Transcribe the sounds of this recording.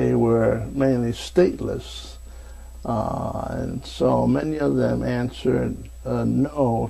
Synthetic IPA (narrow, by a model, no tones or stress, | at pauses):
eɪwə˞mẽɪ̃nlisteɪʔˡlə̰s | ɨ̰̃nsoʊmɛniʌvðɨ̃mæ̃nsə˞d̚ | noʊ